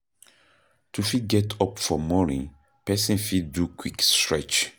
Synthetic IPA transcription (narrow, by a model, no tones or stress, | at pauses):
tʰufit̚ɡɛtʰɔpfɔmɔnḭ̃ | pɛsĩnfiddukʰwikstɹɛt͡ʃ